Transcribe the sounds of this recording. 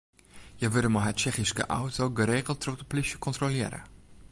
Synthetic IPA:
jəʋɪdəmaɦət̚t͡ʃɛχiskə̰ʔa̰wtoːɡəɾeːkəlˠtːrøχdəplisjəkɔntrolɪːɾə̰

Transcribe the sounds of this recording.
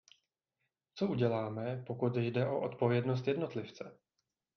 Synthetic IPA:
t͡so̞uɟɛlaːmɛpo̞kut̪jdɛʔo̞ʔot̪po̞vjɛdnos̬t̪jɛdno̞t̪lɪft͡sɛ

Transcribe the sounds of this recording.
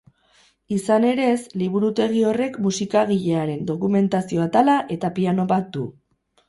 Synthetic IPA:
isane̞ɾe̞sliβ̞uɾut̪e̞ɣ̞io̞re̞kmusikaɣ̞iʎe̞aɾe̞nd̪o̞kume̞nt̪asio̞at̪alaʔe̞t̪apiano̞βat̪̚d̪u

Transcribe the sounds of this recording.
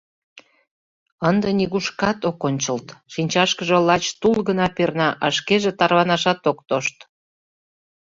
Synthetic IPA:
ənd̪enʲiɣuʃkɑt̪okonʲt͡ɕəlt̪ʃinʲt͡ɕɑʃkəʒə̆lɑt͡ɕt̪ulɣənɑpernɑʔɑʃkeʒet̪ɑrβɑnɑʃɑt̪okt̪oʃt̪

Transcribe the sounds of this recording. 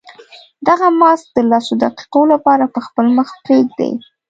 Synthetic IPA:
d̪aɣamɑsk̚d̪əlɑsod̪aqi̥qolapɑɾapəxpəlməxpɾeɡ̚d̪ḛj

